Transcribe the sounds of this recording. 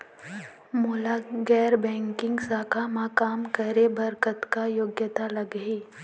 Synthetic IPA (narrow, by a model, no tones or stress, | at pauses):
moːlaɡɛːɾbɛ̃ːŋkɪ̃ŋɡsaːkamaːkaːmkɐɾebɐɾkət̪kajoːɡjət̪alɐɡiː